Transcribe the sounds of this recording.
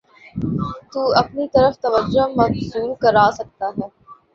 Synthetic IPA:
t̪uːɐpnit̪ɐɾəft̪ɐʋəd͡ʒːomɐɡsuːɾkɐɾaːsɐk̚t̪aɦɛː

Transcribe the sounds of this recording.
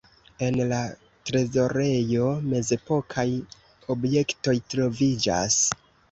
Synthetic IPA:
e̞nla | tɾe̞zo̞ɾe̞jo̞me̞ze̞po̞kʰaj | o̞bje̞kto̞jtɾo̞vid͡ʒa̰s

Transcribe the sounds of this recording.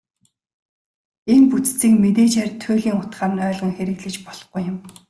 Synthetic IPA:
enput͡st͡siːkmet̪eːt͡ɕærʲt̪ʰːʊːɮiːŋʊt̪ɢaːmnœːɮʁə̆ŋxeɾɘ̆ɣɮɘ̆t͡ɕpɔɮ̥ɞ̆χɡujːʊm

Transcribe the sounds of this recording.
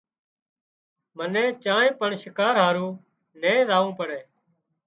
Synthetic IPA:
mənẽːt͡ʃãːẽːpəɳʃɪkaːɾɦaːɾũː | nẽːzaːũːpəɽeː

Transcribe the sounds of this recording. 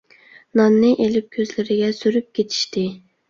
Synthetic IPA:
nɑnːɨʔelɪp̚kʲʰøzlɪɾɪɡʲɛsyɾyp̚kʲʰet̪ʰi̥ʃt̪ɪ

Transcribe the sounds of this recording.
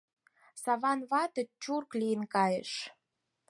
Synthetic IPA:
sɑβɑnβɑt̪ə̆t͡ɕurklijənkɑjḛʃ

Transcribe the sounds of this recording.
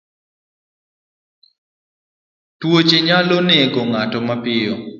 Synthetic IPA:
twot͡ʃeɲaloneɡoŋatɔmapɪɔ̰

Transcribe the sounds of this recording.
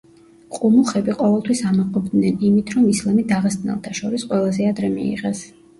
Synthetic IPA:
qʼumuχɛbiqʼɔvɛlˠt̪ʰwisamɔqʼɔbd̪nɛnimit̪ʰɾɔmislamid̪aʁɛst̪nɛ̰lˠt̪ʰaʃɔɾisqʼwɛlˠazɛad̪ɾɛmḭḭʁɛs

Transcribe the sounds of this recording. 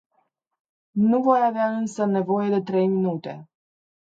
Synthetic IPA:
nuvo̞javeaɨnsəne̞vo̞je̞d̪e̞t̪ɾe̞jminut̪e̞̰

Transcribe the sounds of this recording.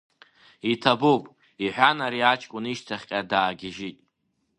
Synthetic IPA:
itʰabowpʼ | iħʷᶣanaɾiat͡ʃʰʼkʷʼʊniʃtʰaχʲqʲʼadaːɡʲɪʒɪtʼ

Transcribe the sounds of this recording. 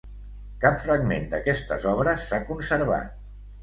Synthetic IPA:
kapfɾəɡmend̪əkɛst̪ə̰zɔβɾəsːakunsəɾβa̰t̪̚

